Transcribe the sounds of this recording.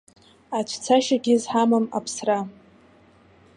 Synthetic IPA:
at͡ʃʷʰt͡sʰaʃaɡʲɪzħamɨma̰pʰsra

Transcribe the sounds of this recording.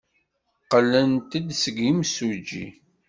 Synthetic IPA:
qːəlːənt̪əd̪səɡimsud͡ʒḭ

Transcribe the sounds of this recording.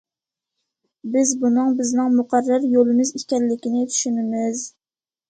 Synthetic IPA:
bɪzbunɨŋbɪznɪŋmuqʰærːɪɾjolˠɪmɪzikʲɛnlːɪkʲinɪt̪ʰy̥ʃynɪmɪz

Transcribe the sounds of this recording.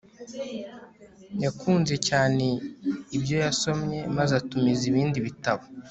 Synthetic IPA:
jakʰuːnze̞caːne̞ibjo̞jaso̞mɲe̞mazatumiziβiːndiβitaβa

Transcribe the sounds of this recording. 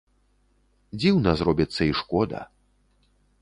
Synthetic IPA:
d͡zʲiwnɐzɾɔbʲit̪sːɐiʂkɔd̪ɐ̰

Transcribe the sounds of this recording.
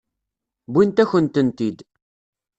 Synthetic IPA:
bʷint̪æçənt̪ənt̪id̪

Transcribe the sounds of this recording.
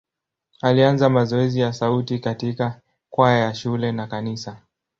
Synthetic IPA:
alianzamazɔɛzijasautikatika | kwajajaʃulɛnakanisa

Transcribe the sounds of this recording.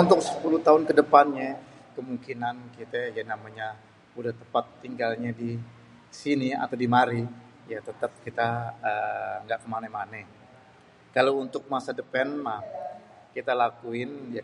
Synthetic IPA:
unt̪ʊk̚sə̥pulut̪aʊnkədəpanɲakəmuŋkinankit̪ajanamaɲa | udaht̪əpat̪ːiŋɡalɲadi | sinia̰t̪awdimaɾi | jat̪ət̪əp̚kit̪aəŋɡaʔkəmanɛmanɛ | kalawunt̪ʊk̚masadəpɛnmah | kit̪alakuɪnja

